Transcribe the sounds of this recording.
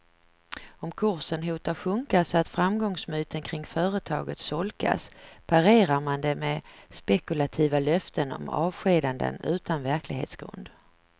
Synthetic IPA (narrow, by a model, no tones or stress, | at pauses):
ɔmkʰɵɾsənɦuːt̪aɧɵŋkasɔat̪fɾamɡɔŋsmyːt̪ʰənkʰɾɪŋfœːɾət̪ʰɑːɡət̪sɔlkʰa̰spʰaɾeːɾaɾmand̪ɛmɛspɛkɵlat̪ʰiːvalœft̪ʰənɔ̰mɑ̰ːvɧeːd̪and̪ə̰nʉ̟ːt̪anvæɾklɪɡhḛːt̪sɡ̥ɾɵ̰nd̪